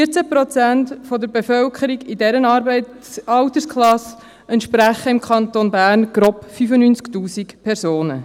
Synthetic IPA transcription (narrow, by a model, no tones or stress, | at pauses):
fiət͡sæpɾɔt͡sæntfɔd̪əɾbefœlkʰəɾiɡɪdɛɾənɑɾbɛ | ɑwtəskχlɑs | ɛntʃpɾæχəɪmkʰɑnt̪onbæːɾnɡ̥ɾɔpfyfənyːnt͡sktuːsikpʰɛrsoːnə̰